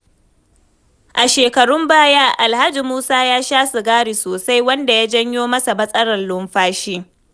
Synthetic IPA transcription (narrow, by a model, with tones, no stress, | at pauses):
ʔa˨ʃeː˨kɐ˨ɽʊ˦mbaː˦jaː˦ʔa˨lha˦d͡ʒi˨muː˦saː˦jaː˦ʃaː˦sʊ˨ɡaː˦ɽi˨soː˨sa˦jwɐ˦nda˨jaː˦d͡ʒɐ˦ɲjoː˦mɐ˦sa˨bɐ˦sʼɐ˦ɽɐ˨nlʊ˦mɸaː˦ʃiː˦